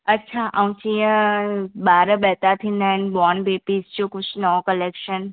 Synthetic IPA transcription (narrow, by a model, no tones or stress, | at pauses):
ɐtːʃʰaʔãʋũt͡ɕĩjə̃ɓaːɾəɓɛːt̪at̪ʰĩːn̆d̪aːɦɪnɪ̆bɔːnbeːpiːsd͡ʑokʊd͡ʑʰʱnɔokəleːkʃən